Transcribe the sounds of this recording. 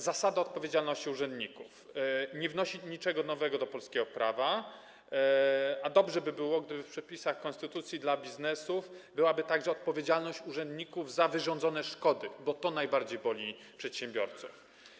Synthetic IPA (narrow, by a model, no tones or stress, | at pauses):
zasad̪aɔt̪̚pɔvʲjed͡ʑalnɔɕt͡ɕiuʐɛnd̪ɲikufɲɛvnɔɕiɲit͡ʂɛɡɔnɔvɛɡɔd̪ɔpɔlskʲɛɡɔpɾava | ad̪ɔbʐɛbɘbɘwɔɡd̪ɘbɘfpʂɛpʲisaxkɔnst̪ɘt̪ut̪sʲjid̪labʲiznɛsufbɘwabɘt̪aɡʐɛɔt̪̚pɔvʲjed͡ʑalnɔɕt͡ɕuʐɛnd̪ɲikuvzavɘʐɔnd̪zɔnɛʂkɔd̪ɘbɔt̪ɔnajbaɾd͡ʑejbɔlʲi | pʂɛt̪ɕɛmbʲjɔɾt̪suf